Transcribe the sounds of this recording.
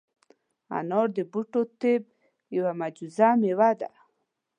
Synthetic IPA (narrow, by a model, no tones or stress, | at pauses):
a̰nɔɾd̪ebuʈot̪eb̚ | jawamad͡ʒuzamewad̪a̰